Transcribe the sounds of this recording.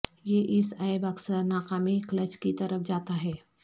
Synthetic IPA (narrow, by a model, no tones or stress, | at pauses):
jeʔɪsaɪbɐksəɾnaːkamiklət͡ʃkit̪ɐɾəfd͡ʒaːt̪aɦɛː